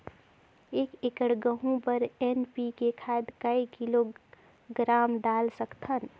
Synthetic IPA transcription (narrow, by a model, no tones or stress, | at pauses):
eːkekəɽɡəɦũpəɾenpikekʰaed̪kəikilo | ɡɾaːmɖalsəkt̪ʰən